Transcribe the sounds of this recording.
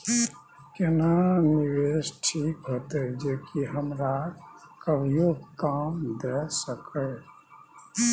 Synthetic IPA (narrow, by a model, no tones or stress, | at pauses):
kenaniwesʈʰikɦoːt̪ed͡ʒeːkiɦəmɾakabjoːɡkaːmd̪ɛsəkə